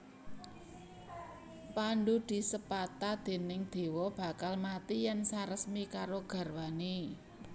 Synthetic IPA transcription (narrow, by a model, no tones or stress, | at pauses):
panɖud̪̥i̤səpat̪ad̪̥e̤nɪŋd̪̥e̤wɔb̥a̤kalmat̪ijɛnsaɾəsmikaɾoɡ̥ä̤rwane